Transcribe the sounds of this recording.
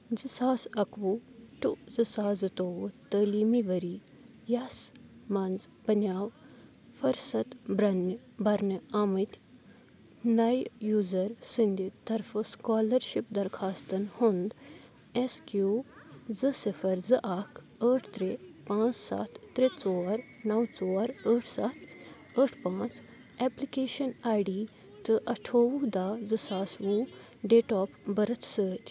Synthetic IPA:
zɨsaːsɐkʋuʈuzɨsaːzɨt̪oːʋɨt̪əːliːmiʋɐɾi | jasmɐnzbɐnjaːw | fɐɾsɐt̪bɾɐn | bɐɾnɨaːmɨt̪ʲ | nɐjjuːzɐɾsɨnd̪it̪ɐɾfɨskaːlɐɾʃip̚d̪ɐɾkʰaːst̪ɐnhund̪ | eskjuːzɨsifʰɐɾzɨʔakʰ | əːʈʰt̪ɾepãːt͡ssa̰t̪ʰt̪ːɾet͡soːɾ | nɐwt͡soːɾəʈʰsat̪ʰ | əʈʰpãːt͡s | eːplikeːʃɐnaːjɖiː | t̪ɨʔɐʈʰoːwud̪aːd͡zɨsaːsʋu | ɖeːʈɔːpbɐɾɐt̪səːt̪ʲ

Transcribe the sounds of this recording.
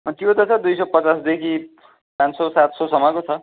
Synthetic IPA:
t̪jot̪ʌt͡sʰʌd̪ujsʌpʌt͡sasd̪ekʰi | pãnsosat̪sɔsʌmʌkot͡sʰʌ

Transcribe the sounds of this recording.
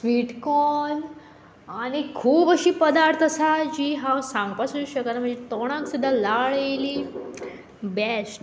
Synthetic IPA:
sʋiʈkɔn | aɽ̃ikʰuːbəɕiːpəd̪aɾt̪ʰəsad͡ʑiːɦãwsãŋɡ̚pasuuɕəkat̪am̤əɳd͡zet̪oɽ̃ãksud̪ʱːalaɭeli | bɛsʈ

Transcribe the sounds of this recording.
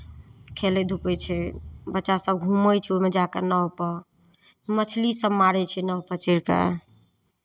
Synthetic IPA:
kʰelɛd̪ʱupɛt͡ʃʰɛbətːʃasəb̚ɡʱuməjt͡ʃʰɛomed͡ʒakənəɦopə | mət͡ʃʰlisəbmaɽɛt͡ʃʰɛnəɦpət͡ʃiɾkḛ

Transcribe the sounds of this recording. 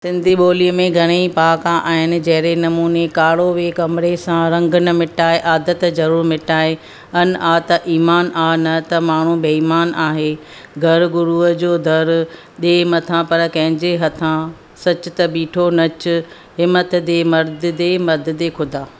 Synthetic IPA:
sɪ̃nd̪ʱiɓoːliəmẽɡʱɐɽ̃eipaːkaʔaːɦɪnɪ̆d͡ʑɐɦɪɾenɐmuːnekaːɽ̤oʋekɐmɪɾesãɾɐ̃ŋɡʱʊnɐmɪʈaːeʔaːd̪ət̪zɐɾuːɾmɪʈaːɦe | ɐnʔaːt̪ɐʔiːmaːnaːnɐt̪ɐmaːɳ̤ũbeiːmaːnaːɦe | ɡʱɐɾɡʊɾuːəd͡ʑoːd̪ʱɐɾ | ɗeːmɐt̪ʰãpɐɾkɐ̃ɦɪ̃ɲd͡ʑeɦɐt̪ʰã | sɐt͡ɕʊt̪ɐɓiːʈʰonɐt͡ɕʊ̆ | ɦɪmːət̪d̪eːmɐɾd̪ʱɪd̪emɐɾd̪ʱɪd̪ekʰʊd̪ʱaː

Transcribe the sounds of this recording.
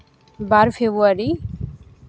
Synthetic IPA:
baːɾfʰebuaɾi

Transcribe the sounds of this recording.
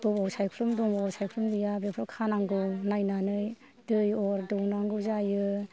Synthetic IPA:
b̥ɯbawsajpʰɾumdɔŋbɔbawsajpʰɾumdijabepʰɾɔkʰanaŋɡɯnajnanɯj | dɯjɔɾdɔwnaŋɡɯzajɯ

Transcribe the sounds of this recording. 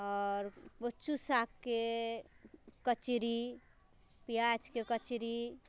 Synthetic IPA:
ɔɾbət͡ʃusakːe | kət͡ʃiɾi | piat͡ʃkekət͡ʃiɾi

